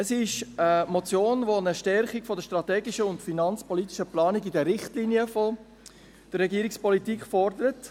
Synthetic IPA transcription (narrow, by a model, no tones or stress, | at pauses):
əsɪʃəmɔt͡sjoːnʋonəʃtɛɾχiɡ̥fɔdəʃtɾɑtɛːɡiʃəʊntfinɑnt͡spɔlit̪iʃəplɑːniɡidəɾɪχtlinjəfɔ | d̥ərːɛɡiːɾikspɔlitiːkχfɔɾdəɾət